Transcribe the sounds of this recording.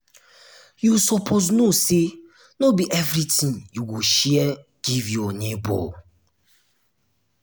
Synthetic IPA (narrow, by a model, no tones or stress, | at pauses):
jusɔpʰoznose | nobiʔɛvɾitĩnjuɡuʃɛɛ | ɡ̥ivjɔnebɔ̰